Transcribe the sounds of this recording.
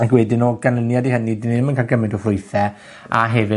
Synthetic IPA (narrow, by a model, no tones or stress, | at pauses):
akwɛdɪnoɡanənjadihənidɪnedmənkʰalˠɡəmɪndɔfrʊɨθɛ | a̰ɦɛvɨ